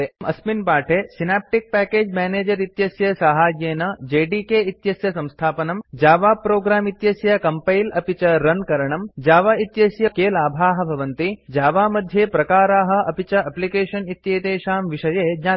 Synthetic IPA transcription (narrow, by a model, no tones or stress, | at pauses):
eʔɐsminpaːʈʰeːsinaːp̚ʈik̚pɛːkeːd͡ʒmɛːneːd͡ʒɐɾit̪jɐsjɐsaːɦaːd͡ʒjeːnɐd͡ʒeːɖikeːit̪jɐsjɐsɐ̃mst̪ʰaːpɐnɐmd͡ʒaːʋaːpɾoːɡɾaːmit̪jɐsjɐkɐmpɐjlɐpit͡ʃɐɾɐnkɐɾɐɳɐmd͡ʒaːʋaːit̪jɐsjɐkeːlaːbʱaːɦɐ̆bʱɐʋɐnt̪id͡ʒaːʋaːmɐd̪ʱjeːpɾɐkaːɾaːɦɐ̆ɐpit͡ʃɐʔɐplikeːʃɐnit̪jeːt̪eːʃaːmʋiʃɐjeːɲaː